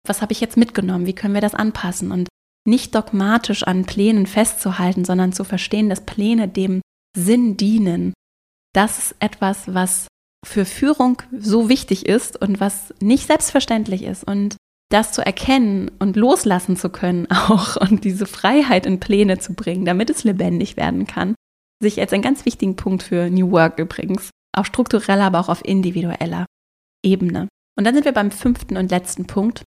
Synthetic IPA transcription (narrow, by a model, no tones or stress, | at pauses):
vashaːbəɪçjɛt͡stmɪtɡ̥ənɔmənviːkʰœnənviːɐɾasʔa̰npʰasn̩ʔʊnt | nɪçt̚d̥ɔkmaːtʰɪʃʔa̰npʰl̥ɛːnənfɛstt͡suɦaltn̩zɔndɐnt͡sufɛɐʃteːəndaspʰlɛːnədeːm | zɪndiːnən | d̥asɪ̥stʔɛtv̥asvas | fyːɐfyːʁʊŋzoːvɪçtɪçɪstʊntv̥asnɪçtz̥ɛlpstfɛɐʃtɛntlɪçɪ̰stʔʊnt | d̥ast͡suʔɛ̰ɐkʰɛnənʔʊntloːslasn̩t͡sukʰœnənaʊxʊnt̚d̥iːzəfʁ̥aɪɦaɪtɪnpʰl̥eːnət͡subʁɪŋəndamɪtɛslebɛndɪçv̥ḛːɐdn̩kʰa̰n | zɪçalsaɪnɡant͡sv̥ɪçtɪɡŋ̩pʰʊŋk̚tfyːɐnjuːwœɐkʔyːbʁɪ̰ɡŋ̩s | ʔa̰ʊfʃtʁ̥ʊk̚tuʁɛlaːbɐaʊxaʊfʔɪ̰ndiviɾuʔɛ̰lɐ̰ | ʔeːbənə̰ | ʔʊntd̥anzɪntviːɐbaɪmfʏnftn̩ʊntlɛt͡stn̩pʰʊŋk̚t